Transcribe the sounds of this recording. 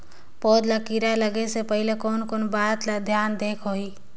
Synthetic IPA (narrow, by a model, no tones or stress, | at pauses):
pɔːd̪lakiɾaləɡesepəɦɪlekɔːnkoːnbaːt̪lad̪ʱjaːnd̪eːkʰɦoiː